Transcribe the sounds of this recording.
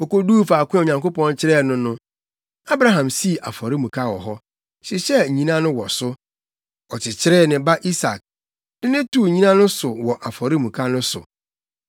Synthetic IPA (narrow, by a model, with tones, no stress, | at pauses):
ɔ˨ko˦duː˦faː˨kʷʊ̃˦˨o˨ɲã˨ŋko˦pɔ̃˦nt͡ɕʰɪ˦ɾɛː˦˨nʊ̃˦nʊ̃˦ | a˦bɾa˦ɦã˨msi˦˨ʔa˨fɔ˨ɾɪ˦mũ˨kʰa˦wɔ̰˨ɦɔ˦ | ɕɪ˨ɕɛ˦˨ɲĩ˦nã˦nʊ̃˦wɔ˨sʊ˦ | ɔ˨t͡ɕʰɪ˨t͡ɕʰɪ˦ɾɛː˦˨nɪ̃˨ba˦ʔi˦sa˨k̚ | nɪ̃˦nɪ̃˦tʰu˦˨ɲĩ˦nã˦nʊ̃˦sʊ˨wɔ˨ʔa˨fɔ˨ɾɪ˦mũ˨kʰa˦nʊ̃˦sʊ̰˨